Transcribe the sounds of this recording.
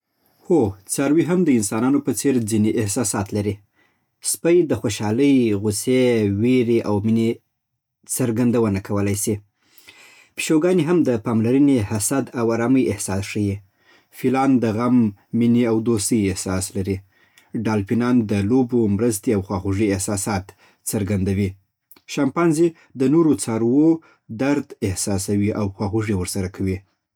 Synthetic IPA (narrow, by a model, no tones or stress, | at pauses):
hot͡sɑɾwiɦamd̪əɪnsɑnɑnopət͡seɾd͡zineʔɪhsɑsɑt̪laɾi | spəjd̪əxoʃɑləjɣuseweɾeʔawmine | t͡səɾɡand̪awənakʰawəlajsi | pi̥ʃoɡɑniɦamd̪əpɑmlaɾənihasad̪awaɾɑməjɪhsɑsʂəji | filɑnd̪əɣamːiniawd̪ost̪əjɪhsɑslaɾi | ɖɑlpinɑnd̪əlobomɾəst̪eawxwɑxuʐiɪhsɑsɑt̪ | t͡səɾɡand̪awi | ʃɑmpɑnze | d̪ənoɾot͡sɑɾwo | d̪aɾd̪ɪhsɑsawiʔawxwɑxuʐiwəɾsaɾakʰawi